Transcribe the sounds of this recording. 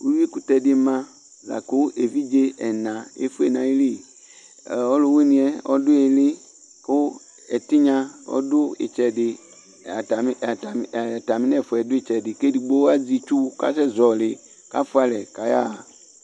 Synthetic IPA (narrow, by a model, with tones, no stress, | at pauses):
wu˦wi˦ku˦tɛ˨dɪ˦mã˦ | za̰˨kʊ˦e˨vi˦d͡ʒe˦ɛ˨nã˨ḛ˦fʊ˦e˨nã˨i˦li˦˨ | ɔ˦lo˦˨we˦nĩ˨ɛ˦ɔ̰˦dʊ˦ɛ˨lɪ˦ | kʊ˦ | ɛ˨ti˦ɲã˦ɔ̰˦dʊ˦ḛ˨t͡ʃɛ˨dɪ˨˦˨ | ta˨mɪ˦nɛ˦˨fʊ˨ɛ˨dʊ˦e˦˨t͡ʃɛ˨dɪ˨ke˦di˨ɡ͡bo˦a˦d͡zi˨t͡ʃu˦ka̰˦sɛ˦zɔ˨lɪ˨ | ka̰˦fʊ˦a˨lɛ˨ka˨ja̰˦˨